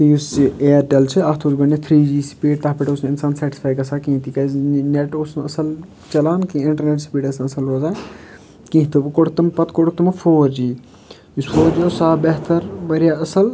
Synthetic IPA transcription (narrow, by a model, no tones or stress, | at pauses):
t̪ijusieːɾʈɐlt͡ʃʰɨaɦt̪ʰoːzɡɐɳet̪ʰɾiːd͡ʒiːsi̥piːʈ̚t̪aɦpiʈoːsnɪnsaːnsɐʈispʰaːjkɐsaːkĩːt̪iːkɐzneʈosnɐsɐl | t͡ʃɐlaːnkĩɪɳʈɐɾneʈsi̥piːʈɐsnɐsɐlɦoːzaː | kĩːɦt̪ubɨkoɽt̪ɐmpɐt̪koɽt̪ɐmɐfʰoːɾd͡ʒiː | jusfʰoːɾd͡ʒiosaːbeɦt̪ɐɾbɐɾijaːɐsɐl